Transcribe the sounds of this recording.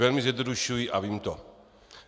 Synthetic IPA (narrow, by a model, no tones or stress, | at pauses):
ɛlmɪzjɛdnoduʃujiʔaviːmt̪o